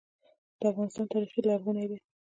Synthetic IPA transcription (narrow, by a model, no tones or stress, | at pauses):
d̪̥əafɣɑnɪst̪ɑnt̪ɑɾixilɑfɣunajd̪e